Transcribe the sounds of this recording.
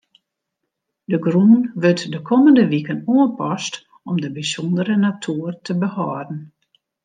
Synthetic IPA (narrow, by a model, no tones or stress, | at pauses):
dəɡruːnʋøtdəkʰɔməndəʋikənuəpɔst | ɔmdəbisɔndəɾənatʰuːərtʰəbəhɔːdn̩